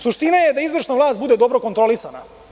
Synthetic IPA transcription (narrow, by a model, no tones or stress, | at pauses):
suʃt̪inajed̪aizʋr̩ʃnavlˠaːst̪̚bud̪e̞d̪o̞bɾo̞kot̪ɾo̞lisana̰